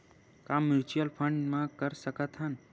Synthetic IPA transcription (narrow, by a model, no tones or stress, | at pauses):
kamːɪɾt͡ʃuəlpʰə̃ɳɖmãkəɾsəkət̪ɦən